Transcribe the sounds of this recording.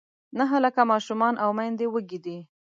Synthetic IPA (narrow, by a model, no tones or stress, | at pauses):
naɦəlakamɑʃumɑnʔawmajnd̪ewəɡid̪i